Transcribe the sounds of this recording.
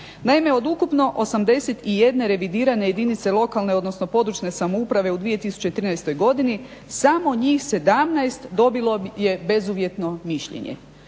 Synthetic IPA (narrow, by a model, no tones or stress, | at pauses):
naime̞o̞d̪ukupno̞ʔosamd̪e̞set̪ije̞d̪ne̞ɾe̞ʋid̪iːɾane̞je̞d̪init̪se̞lˠo̞kalˠne̞o̞d̪no̞sno̞po̞d̪ɾut͡ʃne̞samoupɾaʋe̞ud̪ʋije̞t̪isu̥t͡ɕet̪ɾiːnajst̪o̞jɡo̞d̪ini | samo̞ɲiːxse̞d̪amnajst̪d̪o̞bilo̞je̞be̞zuʋje̞t̪no̞miʃʎḛɲḛ